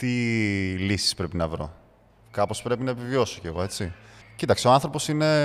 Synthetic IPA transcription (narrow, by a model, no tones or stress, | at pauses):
t̪ilisi̥spɾe̞pinɐvɾo̞̰ | kɐpo̞spɾe̞pinɐepivio̞soceɣo̞e̞t͡sicit̪ɐkseoɐnθɾo̞po̞sine̞